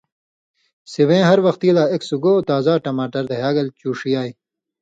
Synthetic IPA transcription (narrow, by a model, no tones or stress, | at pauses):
siwẽːɦɐɾwɐxt̪iːlaːeksuɡoːt̪aːzaːʈɐmaːʈɐɾd̪ɐɦaːɡɐlt͡ɕuːʂijaːj